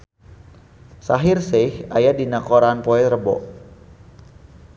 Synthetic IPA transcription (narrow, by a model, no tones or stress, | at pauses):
saɦɪrsɛhʔajadinakoɾanpɔɛt̪rəbɔ̰ʔ